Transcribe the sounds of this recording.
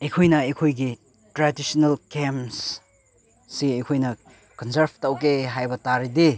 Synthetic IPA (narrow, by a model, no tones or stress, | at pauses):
ejkʰojnɐejkʰojɡi | tɾadisonalkems | siɐjkʰojnɐ | kɔnsɐɾbtɐwkeɦajbɐtaɾide